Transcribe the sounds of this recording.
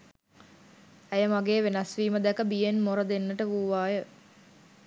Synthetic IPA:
æjəmaɡeːʋenɐsʋiːməd̪ɛkəbijenmoɾəd̪enːəʈəʋuːʋaːjə

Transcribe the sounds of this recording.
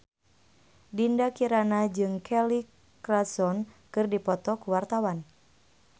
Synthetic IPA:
dindakiɾanad͡ʒɨŋkʰɛli | kɾasɔnkɨrdipɔt̪ɔkuwart̪awan

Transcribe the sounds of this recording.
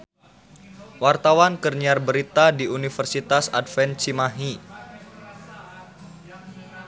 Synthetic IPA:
wart̪awankərniarbəɾit̪adiunifərsit̪asa̰dfɛnt͡ʃimaɦi

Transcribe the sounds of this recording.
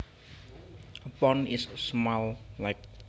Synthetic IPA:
əpɔnɪsːmallaɪk̚

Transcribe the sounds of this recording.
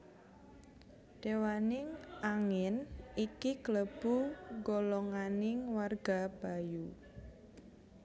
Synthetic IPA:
d̥ewanɪŋaŋɪnikikləb̥uŋɡolɔŋanɪŋwarɡ̥ab̥a̤ju

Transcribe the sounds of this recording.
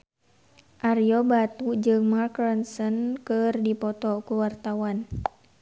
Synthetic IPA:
ʔarjɔbat̪ud͡ʒɨŋmarkɾɔnsənkɨrdipɔt̪ɔkuwart̪awan

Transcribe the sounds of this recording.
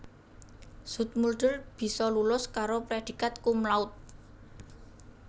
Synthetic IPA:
sṳt̪̚mulɖ̪̥ə̤lb̥i̤sɔlulʊskaɾopɾed̪̥i̤kat̪̚kumlaʊt̪̚

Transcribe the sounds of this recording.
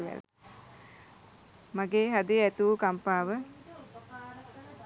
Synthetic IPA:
ʋæ̰l | maɡeːɦad̪iæt̪uʋukampaːʋə

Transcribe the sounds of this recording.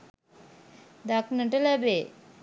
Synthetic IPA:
d̪aknəʈəlabe

